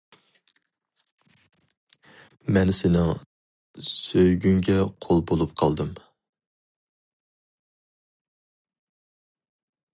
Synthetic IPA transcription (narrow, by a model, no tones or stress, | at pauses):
mɛnsɪnɪŋ | søjɡʲyŋɡʲɛqʰolˠbolˠupqʰɑlˠd̪ɨm